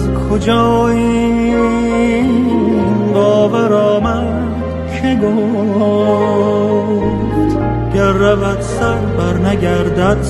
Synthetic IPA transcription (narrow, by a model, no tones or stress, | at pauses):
zkʰod͡ʒɒːi | bɒːvæɾɒːmæn | kʰeɡo | ft̪ | ɡ̥æɾːævæd̪sæɾbæɾnæɡæɾd̪æd̪̥